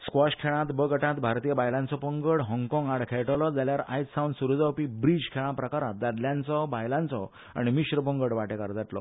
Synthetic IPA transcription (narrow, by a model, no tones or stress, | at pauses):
skʋɔɕkʰeɭ̃ãt̪bəɡəʈãt̪bʱaɾt̪ijəbajlãnt͡sɔpəŋɡəɽɦɔ̃ŋɡkɔ̃ŋɡaɽkʰeɭʈəlɔd͡zaljaɾa̰jtsawnsuɾud͡zawpibɾid͡ʑkʰeɭ̃ãpɾəkaɾat̪̚d͡z̪adljãnt͡sɔbajlãnt͡sɔ | a̰ɽ̃ñimiɕɾəpəŋɡəɽʋaʈekaɾd͡zaʈlɔ̰